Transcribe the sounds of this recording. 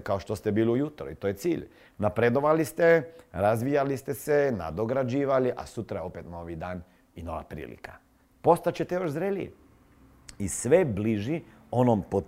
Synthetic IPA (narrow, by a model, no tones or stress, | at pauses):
kao̞ʃt̪ost̪ebiːliujut̪ɾṵḭt̪oje̞t̪sḭːʎ | napɾed̪o̞ʋalist̪eɾazʋijalist̪esena̰d̪o̞ɡɾad͡ʒiːʋaliʔa̰sut̪ɾajeo̞pet̪no̞ʋid̪aːn | ino̞ʋa̰pɾḭːlḭka̰ | po̞st̪at͡ɕet̪ejo̞ʃzɾeːlḭ | isʋebliʒi | o̞nompo